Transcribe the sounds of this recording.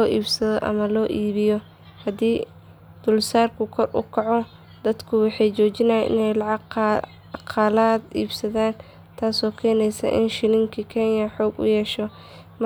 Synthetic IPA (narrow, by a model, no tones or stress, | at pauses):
ɔːʔiːbsɐðɔʔɐ̰mɐlɔːʔiːβɪjɔ | hɐd̪iː | d̪̥ʊlsaːrkʰʊkʰɔrʊ̰kʰɑʕɔ | d̪̥ɐd̪kʰʊwɑħɑjt͡ʃɔːt͡ʃɪnɐjɛ̰ʔɪ̰nɛjlɑʕɑɡ | qʰɑlaːd̪iːbsɐðaːn | t̪ʰaːsɔːkʰɛːnɛjsɐ̰ʔɪ̰nʃɪlɪŋkʰɐkʰɛnjɐħɔːɡʊ̰jɛʃɔ | m